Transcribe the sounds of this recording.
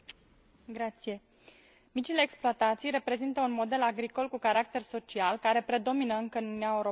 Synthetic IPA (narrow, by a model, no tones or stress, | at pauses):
ɡɾat̪sije̞ | mit͡ʃile̞ːksploat̪at̪sijɾe̞pɾe̞zint̪əunmo̞d̪e̞laɡɾiko̞lkukaɾak̚t̪e̞rso̞t͡ʃialkaɾe̞pɾe̞d̪o̞minəɨŋkəɨnunuiaewɾo